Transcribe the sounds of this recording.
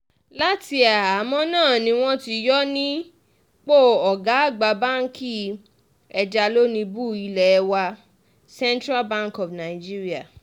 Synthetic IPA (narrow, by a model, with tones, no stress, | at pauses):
la˦ti˧a˨a˨mɔ̃˧˦nãː˦˨nĩ˧w̃ɔ̃˦ti˧jɔ˦nĩ˦ | k͡po˦˨ɔ˨ɡa˨˦a˦˨ɡ͡ba˧ba˦˨n̩˦ki˦ | ɛ˧d͡ʒa˧lo˦nĩ˧bu˦i˧lɛ˨˧wa˧ | sɛ̃˦ntɾa˦bã˦ŋ˨kɔ˨fna˨i˨d͡ʒi˦ɾi˦a˦˨